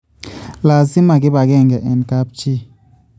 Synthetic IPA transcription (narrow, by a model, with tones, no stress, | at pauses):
la˨si˦ma˨ɡi˦ba˨ɡɛ˦˨ŋɡɛ˨ʔɛ˨nka˦p̚t͡ʃi˦